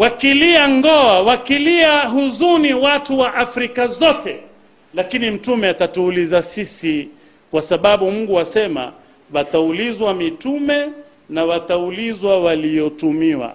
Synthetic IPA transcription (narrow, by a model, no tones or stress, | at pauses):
wakiliaŋɡɔawakiliaɦuzuniwatuwaʔafɾikazɔtɛ | lakinim̩tumɛatatuːlizasisi | kwasaɓaɓum̩ɡuasɛma̰ | wataulizwamitumɛ | nawataulizwawalijɔtumiwa̰